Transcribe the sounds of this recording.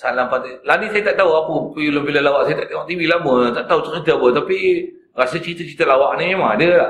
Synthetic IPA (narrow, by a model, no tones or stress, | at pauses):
salampat̪ilanisajat̪aʔt̪aɦuapəpiuləmbilalawaʔsajat̪aʔt̪eŋɔʔt̪ibilamət̪aʔt̪aut̪ʊʔsit̪əbət̪api | ɾasət͡ʃit̪ət͡ʃit̪əlawaʔnĩmaadəla